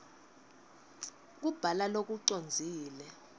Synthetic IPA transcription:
k̬ub̥ʱalalok̬ʼuǀond͡zʱiːlɛ

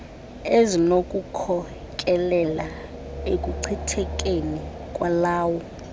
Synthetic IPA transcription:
ezinokʼukʰɔ | kʼɛlɛla | ekʼuǀʰitʰɛkʼeni | kʼwalaːwɔ

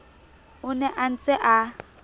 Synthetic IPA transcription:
ʊnɛʔan̩t͡sʼɛʔa

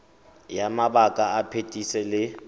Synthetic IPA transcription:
jamabakʼaapʰetʼisɛlɪ

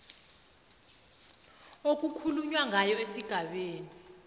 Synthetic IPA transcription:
ok̬ʼukʰuluɲwaŋʱajɔesiɡ̥ʱaɓeːni

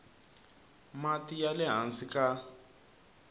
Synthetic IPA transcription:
matijalɛɦansika

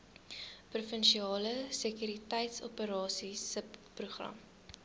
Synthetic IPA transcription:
prufənʃiɑːləsəkyɾitɛjtsɔ̰pəɾɑːsisəppruχrɐ̰m

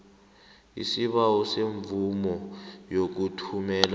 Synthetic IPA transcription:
ḭsiɓawɔseɱvumɔjok̬utʰumɛːla

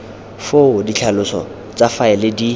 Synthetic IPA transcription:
foʊdit͡ɬʰalʊsɔ̰ | t͡safaɛlɪdi

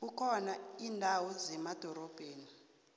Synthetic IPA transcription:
ukʰɔnaiːndʱawuzɛmad̥ʱɔɾɔb̥ʱeːni

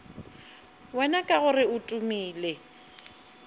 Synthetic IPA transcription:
wɛnakʼaɣʊrɪʊtʼumiːle

